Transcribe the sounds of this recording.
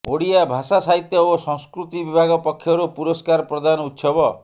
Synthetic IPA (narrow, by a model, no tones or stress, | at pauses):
oɽijabʱasasaɦit̪jɔosɔ̃ŋskɾut̪ibibʱaɡɔpɔkʰːjɔɾupuɾɔskaɾɔpɾɔd̪anɔut̪sɔbɔ